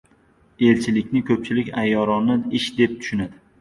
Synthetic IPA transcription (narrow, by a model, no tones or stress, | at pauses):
e̞lt͡ʃʰɪlɪkʲnɪkʰɵp̚t͡ʃʰɪlɪkʲajːɒɾɒnːɪɪʃd̪e̞p̚t̪ʰʊ̥ʃʊnad̪ɪ